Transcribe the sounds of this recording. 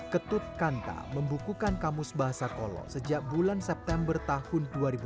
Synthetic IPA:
kət̪ʊt̪̚kant̪a̰məmbukukankamʊsbaɦasakolɔ̰səd͡ʒaʔ̚bulansɛp̚t̪ɛmbərt̪ahʊnduaɾibu

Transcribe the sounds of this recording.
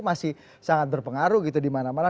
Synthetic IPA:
masɪh | saŋat̪̚bərpəŋaɾuɡit̪̬udimanamana

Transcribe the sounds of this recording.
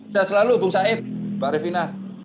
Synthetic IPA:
saasəlalubʊŋsaɪt̚b̥aɾefina

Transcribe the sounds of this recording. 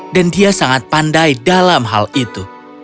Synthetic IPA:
dandiasaŋat̪̚pandajdalamɦa̰lit̪u

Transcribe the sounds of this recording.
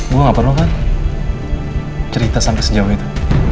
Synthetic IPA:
ɡuaŋapaɾokan | t͡ʃəɾit̪asampɛsəd͡ʒawait̪u

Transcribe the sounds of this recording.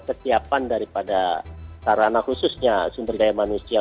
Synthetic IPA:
kəsiapandaɾipadasaɾanahususɲasumbərdajamanusia

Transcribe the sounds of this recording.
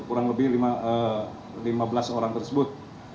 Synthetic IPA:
kuɾaŋləbɪhlimaə | limabəlasoɾaŋt̪ərsəbʊt̪̚

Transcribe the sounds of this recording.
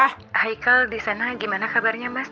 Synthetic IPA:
a | hajkaldisanaɡimanakabarɲamas

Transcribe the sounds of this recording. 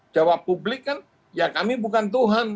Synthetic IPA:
d͡ʒawapːublɪkːan | jakamibukant̪̬uɦan

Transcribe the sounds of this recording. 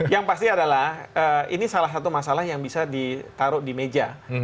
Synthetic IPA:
jaŋpast̪iadalahəḭnisalahs̬at̪umasalahjaŋbisadit̪aɾʊʔdimed͡ʒa

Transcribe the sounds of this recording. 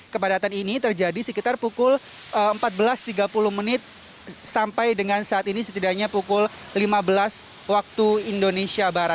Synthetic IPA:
kəbadat̪aninit̪ərd͡ʒadisəkit̪arpukʊl | ʔəəmpat̪̚bəlast̪iɡapulʊhmənɪt̪̚ | sampajdəŋansaːt̪inisət̪idaɲapukʊllimabəlas | wak̚t̪uindonesiabaɾat̪̚

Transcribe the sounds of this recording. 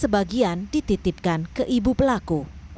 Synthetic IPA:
səbaɡiandit̪it̪ɪp̚kankəʔibupəlaku

